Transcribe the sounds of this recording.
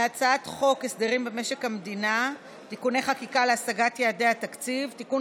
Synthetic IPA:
at͡saatχo̞kesd̪eʁimbemeʃe̞khamed̪ina | tikune̞jχakikaleasaɡatjeːdehatakt͡sivtikun

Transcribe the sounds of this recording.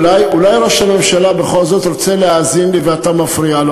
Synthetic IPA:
lajulajɾoʃame̞mʃalabe̞χo̞lzo̞t̪ɾot͡seleaːzinliveatamafɾialo

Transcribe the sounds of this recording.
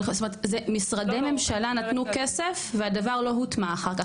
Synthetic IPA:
stomeet̪zemisʁademe̞mʃalanat̪nukesefveadavaʁlo̞ɦut̪maːχaʁka

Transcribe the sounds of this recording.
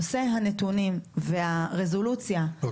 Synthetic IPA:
ose̞ɦanetunimveaʁezo̞lut͡sja

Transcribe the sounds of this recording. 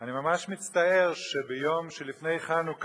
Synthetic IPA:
animamaʃmit͡st̪ae̞ʁʃebejo̞mʃelifne̞jχanuk

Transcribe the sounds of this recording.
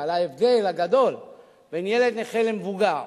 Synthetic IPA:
alaevd̪e̞laɡad̪o̞l | benjele̞d̪neχelemevuɡaʁ

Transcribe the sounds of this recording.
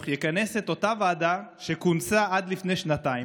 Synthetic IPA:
χjekane̞set̪o̞t̪avaːd̪aʃe̞kunsaʔad̪lifne̞jʃnat̪ai

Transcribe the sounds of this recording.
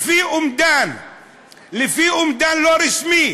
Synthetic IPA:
fiːʔʊmd̪an | lɪfiːʔʊmd̪aːnloɾɪsmi

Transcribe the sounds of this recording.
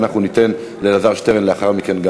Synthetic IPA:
naχnunit̪e̞n | lelazaʁʃte̞ʁenleaχaʁmike̞nɡa

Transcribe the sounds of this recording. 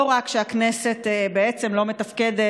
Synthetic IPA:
oʁakʃeaknese̞t̪ebeet͡se̞mlo̞metɐfkede

